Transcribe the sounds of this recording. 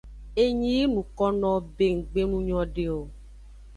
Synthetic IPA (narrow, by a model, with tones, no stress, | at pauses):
e˦ɲĩ˦e˦nũ˨kɔ˦nɔ̃˦be˦ŋ̩˨ɡ͡be˦nũ˦ɲɔ̃˦ɖe˨o˨